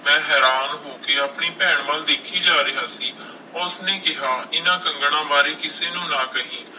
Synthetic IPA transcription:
mɛ̃ːɦɛːɾaːnɦoːkeːaːpɳiːpɛːɳʋəld̪eːkʰiːd͡ʒaːɾɪɦaːsiː | ʊsneːkɪɦaːɪnãːkəŋɡɽãːbaːɾeːkɪseːnũːnãːkəɦĩː

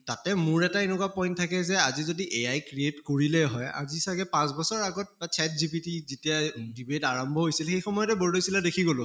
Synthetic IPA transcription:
tatɛmʊɹɛtaenɛkwapɔjnttʰːakɛzɛazizodiʔejajkɹietkoɹilɛɦɔja̰zisakɛpãsbɔsɔɹaɡɔt̚ɛtat͡ʃʰɛt̚zipitizitiadibetaɹɔmbʱɔɦojsilxejxɔmɔjɔtɛbɔɹlojsilɛdekʰiɡolʊ

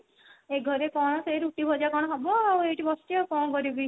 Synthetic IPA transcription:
eɡʱɔɾekɔɽ̃ɔseɾuʈibʱɔd͡ʒakɔɽ̃ɔɦɔbɔaeʈibɔsʈiɔkoɽ̃ɔkɔɾibi

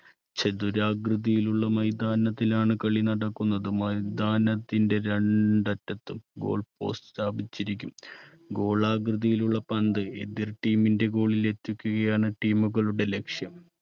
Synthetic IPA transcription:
t͡ɕed̪uɾaːɡrɨðijiluɭːɐmɐjd̪aːnɐt̪ːilaːɳɨkɐɭinɐɽɐkːunːɐðɨmɐjd̪aːnɐt̪ːinde̞ɾeɳɖɐtːɐt̪ːɨmɡo̞̰ːɭpo̞̰ːsst̪aːbit͡ɕːiɾikʲːum | ɡo̞ːɭaːɡrɨðijiluɭːɐpɐnd̪ɨed̪irʈiːminde̞ɡo̞ːɭile̞t̪ːukʲːuɣɐjaːɳɨʈiːmuɣɐɭuɽe̞le̞kʂjɐm

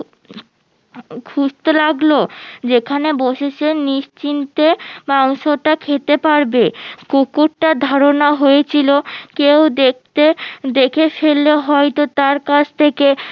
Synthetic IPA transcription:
kʰuʃt̪elaɡlod͡ʑekʰaneboʃet͡ɕʰeniʃt͡ɕint̪emawʃoʈakʰet̪epaɾbekokuʈʈad̪ʱaɾonaɦojet͡ɕʰilokewd̪ekt̪ed̪ekʰefelːeɦɔjt̪ot̪aɾkat͡ɕʰt̪ʰeke

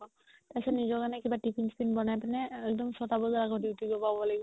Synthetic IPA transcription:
ɔ | tajsɔnizɔkanɛkibatipʰinspinbɔnajpanɛːk̚dɔmsɔtabɔzɔɹaɡɔdiwtiɡɔpabɔlaɡibɔ

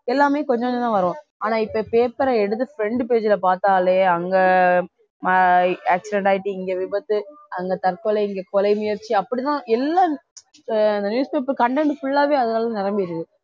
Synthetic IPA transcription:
ɛlːaːmeːkɔɲd͡ʒɔ̃kɔd͡ʒɐ̃t̪ãːʋɐɾõ | aːnaːɪpːɐpeːpɐɾɐɛɽɯt̪̬ːɯfɪɾɛɳɖɯpeːd͡ʒɪlɐpaːɾt̪aːleːɐŋɡɐ | maaːksɪɖɛɳʈaːjɪʈːɯɪŋɡeʋɪbɐt̪ːɯɐŋɡɐt̪ɐɾkɔlɐɪŋɡekɔlɐɪmʊjɐɾt͡ʃːɯɐpːɐɽɪt̪ãːɛlːaː | ɪnd̪ɐnjuːspeːp̬ɐɾkɐɳʈɛɳɖfʊɭːaːʋeːɐðɐnaːlɐ̃nɪɾɐmbɪjɾɯkːɯ

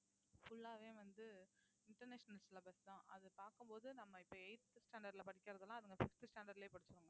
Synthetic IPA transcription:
fʊɭːaːʋeːʋɐnd̪ɯ | ɪɳʈɐɾneːʂɐnɐlsɪlɐbɐst̪ãːʔɐðɯpaːɾkɯmpoːðɯnɐmːɐɪpːoːɛɪʈ̪ːsʈaːɳɖɐɖlɐpɐɽɪkʲːɪɾɐðɯlãːɐðɯŋɡɐfɪsʈɯsʈaːɳɖɐɾɖleːpɐɽɯt͡ʃːɯɾɯŋɡɐ

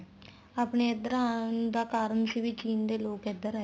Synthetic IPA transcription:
aːpneːɪd̪əɾaːnd̪aːkaːɾəɳsiːʋiːt͡ʃiːnd̪eːloːkɪd̪əɾɛ

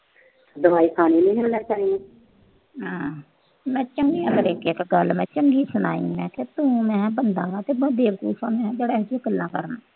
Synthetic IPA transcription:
d̪əʋaːiːkʰaːniːnĩːɦənət͡ʃaːɦĩːẽː | ɦãː | mɛ̃ːt͡ʃəŋɡiːãːləɾeːkɪkɡəlmɛ̃ːt͡ʃəŋɡiːsʊna̰ːḭ̃ːmɛ̃ːket̪ũːmɛ̃ːbənd̪ãːʋãːt̪eːbəd̪eːʋəkṵːfãːmɛ̃ːd͡ʒeːɽɛːd͡ʒɪkəlnãːkəɾnaː

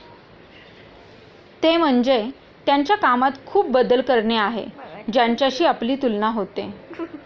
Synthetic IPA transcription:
t̪em̤əɳd͡ze | t̪jaɲt͡ɕjakamat̪kʰuːp̚bəd̪əlkəɾɳeaɦḛd͡ʑaɲt͡ɕjaɕiːapliːt̪ulnaɦot̪e

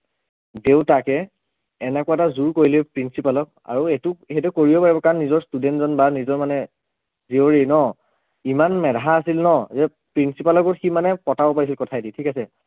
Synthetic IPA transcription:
deʊtakɛː | nɛkʊwatazuɹkoɹilɛpɹinsipalɔk̚a̰ɹuetʊhetukoɹiɔpaɹibɔkanːizɔɹstudɛntzɔnbanizɔɹmanɛ | zioɹinɔ | imanmɛdaɦaːsilnɔzɛ | pɹinsipalɔkɔtximanɛpɔtabɔpaɹis̬ilkɔtʰajditʰikasɛ

